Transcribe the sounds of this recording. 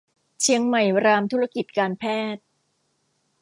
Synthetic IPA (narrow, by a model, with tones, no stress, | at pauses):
t͡ɕʰi˧əŋma˨˩jɾaː˧mt̪ʰu˦˥a˥˧˩ki˨˩t̪̚kaː˧npʰɛː˥˩t̪̚